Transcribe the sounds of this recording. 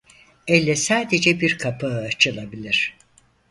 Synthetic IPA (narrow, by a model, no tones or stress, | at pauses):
ɛlʲːɛsaːd̪ed͡ʒɛbiɾkʰapʰaɯat͡ʃʰɯlˠabilʲiɾ̥